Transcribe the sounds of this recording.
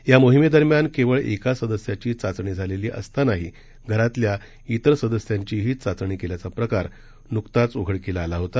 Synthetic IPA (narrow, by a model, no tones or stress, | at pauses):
jamoɦimed̪əɾmjankeʋəɭekasəd̪əsjat͡ɕiːt͡sat͡sɳiːd͡zʱaleliːʔə̰st̪anaɦiː | ɡʱəɾat̪lja | it̪əɾsəd̪əsjaɲt͡ɕiːɦiːt͡sat͡sɳiːkeljat͡sapɾəkaɾ | nukt̪at͡soɡʱəɽkelaːlaɦot̪a